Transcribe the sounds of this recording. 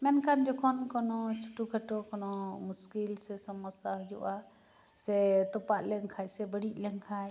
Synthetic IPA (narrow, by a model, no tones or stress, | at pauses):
mɛnkand͡ʒɔkʰɔnkɔnɔt͡ʃʰuʈukʰəʈɔkɔnɔmuskilsɛsɔmɔsaɦɔjuʔa | sɛt̪ɔpaʔlɛŋkʰajsɛbəɽiʔ̚lɛŋkʰaj